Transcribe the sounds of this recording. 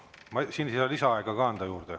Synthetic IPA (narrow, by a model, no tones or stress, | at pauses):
mɑsinsiɑlisɑɑeɡ̥ɑkɑɑnd̪̥ɑjuːrd̪̥e